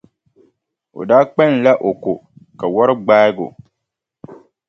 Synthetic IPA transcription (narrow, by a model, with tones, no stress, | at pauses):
o̰˨daː˦k͡pɛ˦˨n̩˨la˦ʔo˨kʊ˨ka˨wɔ˦ɾɪ˦ɡ͡baː˦ɪ˦ɡʊ̰˨